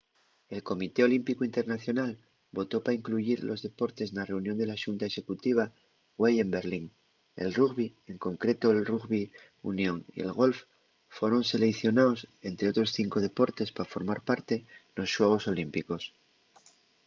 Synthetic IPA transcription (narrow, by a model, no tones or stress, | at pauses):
e̞lko̞mit̪e̞o̞limpikoint̪e̞ɾnaθjo̞nal | bo̞t̪o̞paɾaiŋkluʝiɾlo̞zðe̞po̞ɾt̪e̞znare̞unjond̪e̞laʃunt̪ae̞ʃe̞kut̪iβ̞a | ɣweje̞mbe̞ɾliŋ | e̞̰lruɣβie̞ŋko̞ŋkɾe̞t̪o̞elruɣβi | ṵnjo̞ŋḭe̞̰lɣo̞lf | fwe̞ɾo̞nse̞le̞θjo̞nao̞se̞nt̪ɾeot̪ɾo̞sθiŋko̞ð̞e̞po̞ɾt̪e̞spafo̞ɾmaɾpaɾt̪e̞no̞sʃweɣ̞o̞so̞limpiko̞s